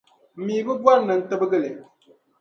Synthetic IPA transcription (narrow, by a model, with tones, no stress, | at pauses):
mi˨bə˦bwa˦n˨nə˨n̩˨tə˦bə˦ɡə˦le˨